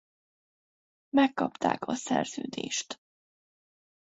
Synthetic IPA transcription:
mɛkːɒpt̪a̰ːkɒsɛrz̥øːd̪eːʃt̪

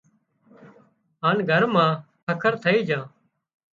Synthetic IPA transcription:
ɦaːnɡʱəɾmãːkʰəkʰəɾt̪ʰəiːd͡ʒãː

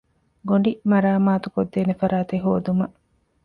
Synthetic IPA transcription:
ɡoɳɖimɐɾaːmaːt̪ukod̪ːeːnefɐɾaːt̪eɦoːd̪umɐʔ

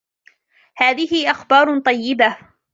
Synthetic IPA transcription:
haːðɪhɪʔɑxbɑːɾˤt̪ˤɑjːɪba

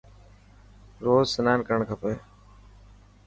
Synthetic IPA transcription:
ɾoːzsənaːnkəəɳkʰəpeː

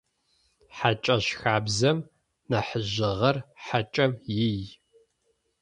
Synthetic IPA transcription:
ħat͡ʃʼɐɕxaːbzɐm | nɐħəʑɪʁɐrħat͡ʃʼɐmjɪj

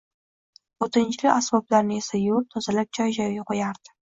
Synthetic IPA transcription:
ot̪ʰɪnt͡ʃlɪʔasbɑblaɾnɪesajoɾt̪ʰozalap̚t͡ʃʰɒjʒawʲɪqojaɾd̪̥ɪ̥

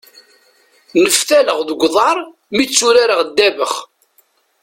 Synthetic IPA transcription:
nəfθæləʁðɡʷðˤɑɾˤ | mit͡sːuɾaɾəʁd̪ːævəχ

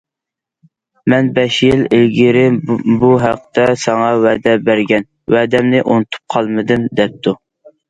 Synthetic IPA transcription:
mɛnbɛʃjilelɡʲiɾɪbuɦæq̚t̪ɛsɑŋɑwɛd̪ɛbæɾɡʲɛn | wɛd̪ɛmnɪʔonɨt̪ʰu̥p̚qʰɑlˠmɨd̪ɨmd̪ɛp̚t̪ʰu

